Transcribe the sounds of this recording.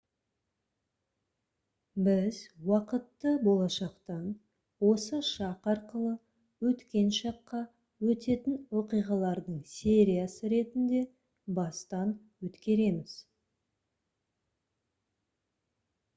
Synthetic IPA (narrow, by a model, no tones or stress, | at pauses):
bɪzwɑqət̪ːəbo̞lˠɑʃɑqt̪ɑn | wo̞səʃɑqɑɾqəlˠə | wɵt̪kʲe̞nʃɑqːɑ | wɵt̪e̞t̪ɪnwo̞qijʁɑlˠɑɾd̪əɴse̞ɾijasəɾe̞t̪ɪnd̪e̞ | bɑst̪ɑn | wɵt̪kʲe̞ɾe̞mɪz̥